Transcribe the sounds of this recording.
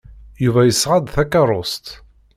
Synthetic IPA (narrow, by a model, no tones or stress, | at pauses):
juvæjəsːʁad̪θækɑrˤost̪